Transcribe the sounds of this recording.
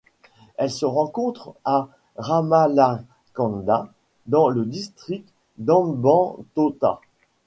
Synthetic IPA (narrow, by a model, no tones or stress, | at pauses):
ɛlsəʁɑ̃kɔ̃t̪χa | ʁamala | kɑ̃nd̪a | d̪ɑ̃ləd̪ist̪χik̚t̪ | d̪ɑ̃bɑ̃t̪ot̪a̰